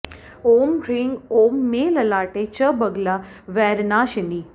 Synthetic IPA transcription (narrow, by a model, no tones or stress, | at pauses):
oːmɾiŋɡoːmːeːləlaːʈet͡ʃəbəɡla | ʋɛɾnaːʃəni